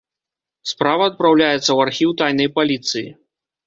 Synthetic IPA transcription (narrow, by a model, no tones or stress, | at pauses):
spɾavɐːt̪̚pɾawlʲajɛt̪sːɐwarxʲiwt̪ajnɐjpalʲit̪sɨjḭ